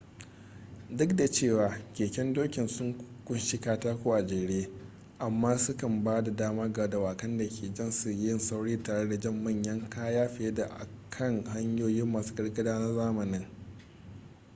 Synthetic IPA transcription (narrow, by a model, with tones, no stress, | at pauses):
dʊ˦kda˨t͡ʃeː˦˨waː˨kʲeː˨kʲɛ˦ndoː˦kʲɪ˨nsʊ˦ŋkkʷʊ˦nʃi˦kaː˦taː˦kʷuː˦˨ʔa˨d͡ʒeː˨ɽeː˦ | ʔa˨mːaː˦sʊ˦kɐ˨mbaː˦da˨daː˦maː˦ɡa˨˦da˨waː˨kɐ˦nda˨kʲʰeː˨d͡ʒɐ˦˨nsʊ˦jjɪ˦nsa˦wɽiː˦taː˨ɽe˦da˨d͡ʒɐ˦mːɐ˦˨ɲjɐ˦ŋkaː˦jaː˦ɸɪ˨e˦da˨ʔa̰˨kʰɐ˦˨ŋha˦ɲjoː˦jɪ˦mːɐ˨skɐ˦rɡɐ˦daː˦na˦zaː˦mɐ˨nɪ˦ŋ